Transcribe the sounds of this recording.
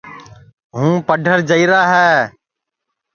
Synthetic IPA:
ɦũːpəɖʱəɾd͡ʒəiːɾaːɦɛː

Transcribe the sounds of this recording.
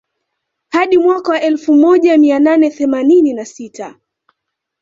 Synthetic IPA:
haɗimwakawaʔɛlfumɔʄamiananɛθɛmanininasitʰa

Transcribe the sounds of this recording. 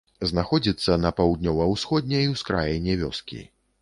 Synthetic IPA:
znaxɔd͡zʲit̪sːɐnɐpawd̪̚nʲɔvɐwsxɔd̪̚ʲnʲɛiwskɾa̰jɛnʲɛvʲɔ̰skʲḭ

